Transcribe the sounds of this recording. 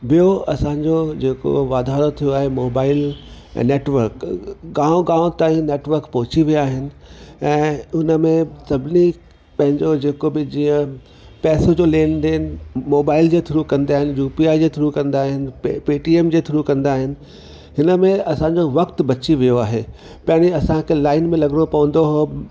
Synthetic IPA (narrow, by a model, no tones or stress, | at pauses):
bijoɐsãɲd͡ʑod͡ʑeːko̰ʋaːd̪ʱaːɾot̪ʰijoaːɦemoːbaːɪl̰ːneːʈʋəɾkɡãːõɡãːõt̪aːĩneːʈʋəɾkpɐɦʊt͡ɕiʋijaːɦɪnɪ̆ɛ̃ːʊnə̆mẽsɐbʱɪni | pɐ̃ɦɪ̃ɲd͡ʑod͡ʑeːkobɪd͡ʑiːə̃ | pɛːsod͡ʑoːleːnd̪eːnmoːbaːɪld͡ʑeːt̪ʰʊɾukɐ̃nd̪iaːɦɪnɪ̆juːpiaːid͡ʑeːt̪ʰʊɾukɐ̃nd̪aːɦɪnɪ̆piːʈieːmd͡ʑeːt̪ʰʊɾukɐ̃nd̪aːɦɪnɪ̆ | hɪnəmẽɐsãɲd͡ʑoʋɐkt̪bɐt͡ɕiʋijoaːɦe | pɐɦniɐsãkʰelaːɪnmẽlɐɡɽ̃opɐʋə̃nd̪oɦoː